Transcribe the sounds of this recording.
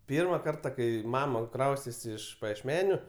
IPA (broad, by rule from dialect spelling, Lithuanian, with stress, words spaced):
ˈpʲiːrmɐ ˈkɐrtɐ ˈkɐɪ ˈmɑːmɐ ˈkrɐʊsʲtʲeːsʲɪ ɪʃ pɐjiɛʃʲˈmʲæːnʲʊ